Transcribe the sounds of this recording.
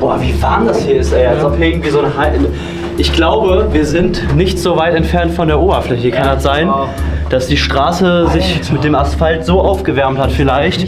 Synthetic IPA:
b̥oːɐviːvaɐmdashiːɐɪstɛɐsɔpʔɪɡŋ̩tv̥iːzoːnəɦaɪʔn | ʔɪçɡ̥laʊbəviːɐzɪntnɪçtz̥oːvaɪtɛntfɛɐntfɔndeːɐʔoːbɐflɛçəkʰandasz̥aɪnd̥asd̥iːʃtʁ̥aːsəzɪçmɪt̚d̥eːmasfaltz̥oːʔaʊfɡ̥əvɛɐmthatfɪlaɪçt

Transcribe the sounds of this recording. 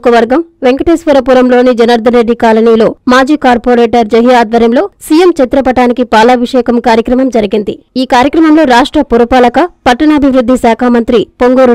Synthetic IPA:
kɐʋɐɾɡɐmʋeŋkɐʈeːsʋuɾɐpuːɾɐmlo̞ːnid͡ʒɐnɐɾd̪ɐneɖːikaːlɐniːlo̞ːmaːd͡ʒiːkaːɾpoːɾeːʈɐɾd͡ʒɐɦijaːd̪ʋɐɾjɐmlo̞ːsiːjemt͡ʃɐt̪ɾɐpɐʈaːnikipaːlɐːʋiʂɛːkɐmkaːɾjɐkɾɐmɐmd͡ʒɐɾiɡind̪iiːkaːɾjɐkɾɐmɐmlo̞ːɾaːʂʈɾɐpuɾupaːlɐkɐpɐʈːɐɳɐːbʱiʋɾud̪ʱːisaːkʰaːmɐnt̪ɾipoŋɡoːɾ

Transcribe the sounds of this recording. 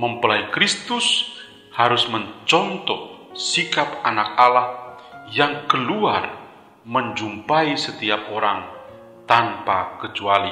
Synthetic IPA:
məmpəlaikɾist̪ʊs | haɾʊsməɲt͡ʃɔnt̪ɔsikapanak̚alahjaŋkəluar | məɲd͡ʒumpaisət̪iap̚oɾaŋ | t̪anpakət͡ʃuali

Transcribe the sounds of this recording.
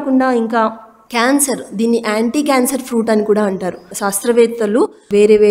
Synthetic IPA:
kuɳɖaːiŋkaː | kaːnsɐɾd̪iːnːiʔaːɳʈiːkaːnsɐɾpʰɾuːʈɐnːikuːɽaːɐɳʈaːɾuʃaːst̪ɾɐʋɛːt̪ːɐluʋeːɾeːʋeː

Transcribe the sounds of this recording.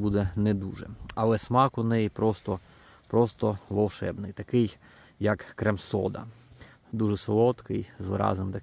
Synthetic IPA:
bud̪ɛnɛd̪uʒɛ̰ɐlˠɛsmɑkʊnɛjipɾɔst̪ɔ | pɾɔst̪ɔʋɔlˠʃɛ̰bnɪjt̪ɐkɪj | jɐkːɾɛmsɔd̪ɐ̰ | d̪uʒɛsɔlˠɔt̪kɪjzʋɪɾɑ̰znɪmt̪ɐ

